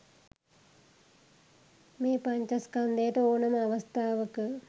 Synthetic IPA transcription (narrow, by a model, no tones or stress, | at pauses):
mepɐɲt͡ʃɐskɐnd̪eːʈɐoːɳɐnɐʋɐst̪ʰaːʋɐkːɨ